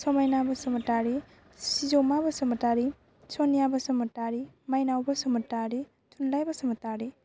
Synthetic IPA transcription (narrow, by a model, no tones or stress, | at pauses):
sɔmajnabɐsumɐtaɾi | sizowmabɐsumɐtaɾi | sonijabɐsumɐtaɾimajnawbɐsumɐtaɾi | tʰunlajbɐsumɐtaɾi